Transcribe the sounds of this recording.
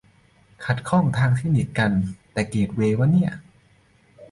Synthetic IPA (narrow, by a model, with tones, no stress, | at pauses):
kʰa˨˩t̪̚kʰɔ˥˩ŋt̪ʰaː˧ŋt̪ʰiː˥˩ni˨˩t̪̚ka˧nt̪ɛː˨˩keː˨˩t̪̚weː˧wa˧˥˩nːi˥˩ɐ